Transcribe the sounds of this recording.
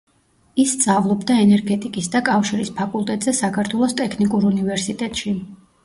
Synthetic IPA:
isːt̪zʼavlˠɔbd̪aɛnɛɾɡɛt̪ʼikʼisd̪akʼafʃiɾispʰakʼulˠt̪ʼɛt̪ʼz̥ɛsakʰaɾt̪ʰwɛlˠɔst̪ʼɛkʰnikʼuɾunivɛɾsit̪ʼɛt̪ʼʃi

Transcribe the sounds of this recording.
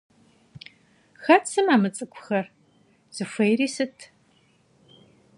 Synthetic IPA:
xɐtt͡sɨmaːmɨt͡sʼɨkʷʰʼʊ̥xɐr | z̥ɨfʷɐjriːsɨtʰ

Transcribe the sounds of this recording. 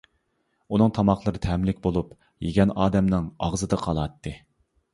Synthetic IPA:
unɨŋt̪ʰɑmɑχlˠəɾɨt̪ʰɛmlɪkʲbolˠup | jeɡʲɛnɑːd̪ɛmnɨŋɑ̰ʁzɨd̪ɨqʰɑlˠɑt̪ːɨ

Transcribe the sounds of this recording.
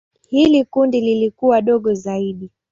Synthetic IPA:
hilikundililikuwaɗɔɠɔzaiɗi

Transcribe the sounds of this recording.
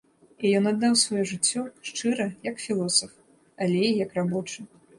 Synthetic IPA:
ijɔnad̪ːawsvajɔʐɨt͡sʲːɔʂt͡ʂɨɾɐjɐkfʲilˠɔsɐf | alʲɛijɐkrabɔt͡ʂɨ

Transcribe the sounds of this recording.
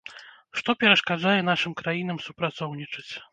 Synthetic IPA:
ʂt̪ɔpʲɛɾɐʂkad͡ʐajɛn̪aʂɨmkɾajinɐmsupɾat̪sɔwnʲit͡ʂɨt͡sʲ

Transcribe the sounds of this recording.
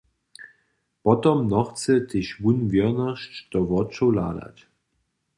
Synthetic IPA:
pɔtɔmnɔχt͡sətʰeɕvunviɐnaʃtd̥ɔvɔt͡ʃola̰ːda̰t

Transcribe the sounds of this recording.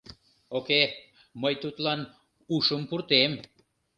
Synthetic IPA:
oke | məjt̪ut̪lɑn | uʃəmpuɾt̪em

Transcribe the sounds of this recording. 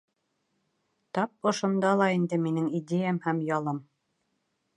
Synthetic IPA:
t̪ɑp̚ŏʃŏnd̪ɑlˠɑind̪ɘminɘŋid̪ʲejæmhæmjɑlˠɤm

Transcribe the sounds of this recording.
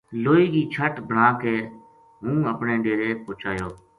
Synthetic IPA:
loːiːɡiːt͡ʃʰəʈbʱəɽãːkeː | ɦũːəpɳeːɖeːɾeːpʊːt͡ʃʰaːjoː

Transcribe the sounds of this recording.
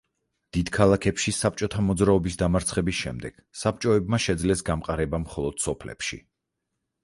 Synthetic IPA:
d̪̥id̪kʰalˠakʰɛpʃisap̚t͡ʃʼɔt̪ʰamɔd̪zɾaɔbisd̪amaɾt̪sʰχɛbisʃɛmd̪ɛɡ̥sap̚t͡ʃʼɔɛbmaʃɛd̪zlɛsɡamqʼaɾɛbamχɔlˠɔd̪̥sɔpʰlɛ̰pʃḭ

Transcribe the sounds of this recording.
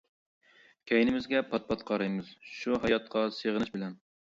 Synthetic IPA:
kʲʰɛjnɪmɪzɡʲɛpʰɑt̪̚pʰɑt̪̚qʰɑɾɑjmɨzʃuɦɑjɑt̪̚qʰɑseʁənɨʃbɪlɛn

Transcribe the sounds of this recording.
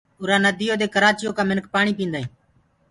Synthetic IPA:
ʊɾaːnəd̪ʱijoːd̪eːkəɾaːt͡ʃɪjoːkãːmɪnk̚paːɳiːpĩːnd̪aːĩː

